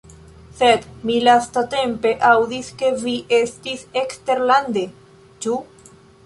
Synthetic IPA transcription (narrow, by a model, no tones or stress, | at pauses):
sed̪milast̪at̪empe̞ʔawd̪iske̞viʔest̪isekst̪e̞ɾland̪e | t͡ʃu